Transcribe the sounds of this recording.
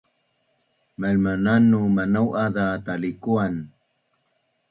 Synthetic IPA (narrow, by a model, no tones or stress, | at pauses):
malmananːumanawʔadat̪alikuan